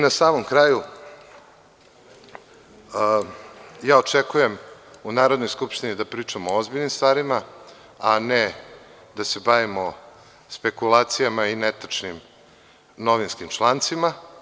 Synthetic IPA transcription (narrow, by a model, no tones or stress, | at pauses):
nasaːmomkɾaːju | jaːo̞t͡ʃekuje̞m | unaːɾod̪no̞jskupʃt̪inid̪apɾiːt͡ʃamooozbiʎnimst̪vaːɾima | ane | d̪asebaʋimo | spe̞kulˠaːt̪sijamainet̪at͡ʂnim | no̞ʋinskimt͡ʃlˠaːnt̪sima